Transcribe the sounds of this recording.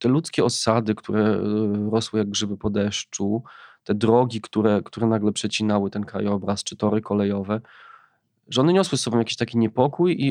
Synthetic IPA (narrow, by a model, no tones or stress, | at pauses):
t̪ɛlut̪skʲɛɔsad̪ɘkt̪ʰuɾɛɾɔswɘjaɡ̚ɡʐɘbɘpɔd̪ɛʂt͡ʂut̪ɛd̪ɾɔɡʲikt̪uɾɛkt̪uɾɛnaɡlɛpʂɛt͡ɕinawɘt̪ɛnkɾa̰jɔbɾast͡ʂɘ̥t̪ɔɾɘkɔlɛjɔvɛ | ʐɛɔnɛɲɔswɘsɔbɔm̃jakʲi̥ɕt̪akʲiɲɛpɔkuji